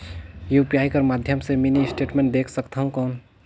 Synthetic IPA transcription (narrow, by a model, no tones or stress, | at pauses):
jupijaːikəɾmaːd̪ʱjəmseminiɪsʈeːʈmẽɳʈ̚d̪eːkʰsəkt̪aɦũkɔːn